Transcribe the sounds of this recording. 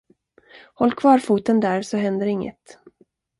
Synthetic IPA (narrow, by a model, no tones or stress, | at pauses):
hɔlːkʰvɑːɾfuːt̪ənd̪æːɾsɔɦɛnd̪əɾɪŋːə̰t̪